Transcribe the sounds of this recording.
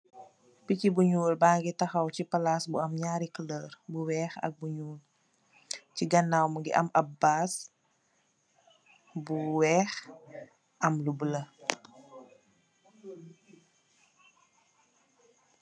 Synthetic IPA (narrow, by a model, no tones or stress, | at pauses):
picibuɲuːlbaːɡitɐxɐwcipɐlaːsbuɐmɲaːɾikləːɾbuwɛːxɐ̰k̚buɲuːl | ciɡɐnːawməɡiʔɐ̰mɐbaːs | buwɛːx | ʔɐmlubələ